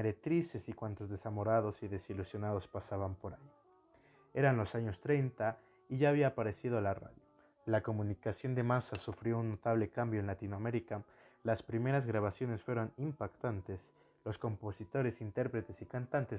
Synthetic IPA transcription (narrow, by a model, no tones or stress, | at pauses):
eɾet̪ɾise̞sikwant̪o̞zðesamo̞ɾaðo̞siðe̞silusjo̞nað̞o̞spasaβampo̞ɾa | e̞ɾanlo̞saɲo̞st̪ɾejnt̪a | iʝaːβ̞iaːpaɾe̞sið̞olara̰ðjo | lako̞mũnikasjo̞nd̪e̞masasufɾjo̞unːot̪aβ̞le̞kambjo̞enlat̪inoame̞ɾika | laspɾime̞ɾazɣɾaβ̞asjo̞ne̞sfwe̞ɾo̞nimpakt̪ant̪e̞s | lo̞sko̞mpo̞sit̪o̞ɾe̞sint̪e̞ɾpɾe̞t̪e̞sikant̪ant̪es